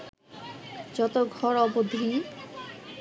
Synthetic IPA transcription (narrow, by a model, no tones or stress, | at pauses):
d͡ʑɔt̪oɡʱɔɾɔbod̪ʱi